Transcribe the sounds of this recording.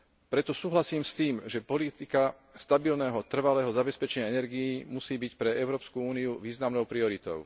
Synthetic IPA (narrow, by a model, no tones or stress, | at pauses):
pɾɛt̪ɔsuːɦlasiːmst̪iːmʒɛpɔlit̪ika | st̪abilnɛːɦɔt̪r̩ʋalɛːɦɔzabɛspɛt͡ʃɛɲɪaɛnɛɾɡijimusiːbicpɾɛɛʊɾɔːpskuuːniuʋiːznamnɔʊpɾiɔɾit̪ɔ̰ʊ